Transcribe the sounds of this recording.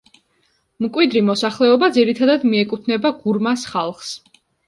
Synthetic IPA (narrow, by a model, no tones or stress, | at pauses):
mkʼwid̪ɾimɔsaχlɛɔbad̪ziɾit̪ʰad̪ad̪miɛkʼut̪ʰnɛbaɡuɾmasχalˠχs